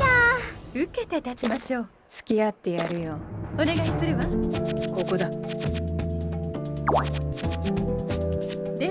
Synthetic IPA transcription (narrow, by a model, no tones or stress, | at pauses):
aɯ̟ke̞t̪e̞t̪at͡ɕimaɕo̞ː | sɨ̥kʲiat̪ːe̞jaɾɯ̟joone̞ɡaisɨɾeβako̞ko̞d̪a | d̪̥e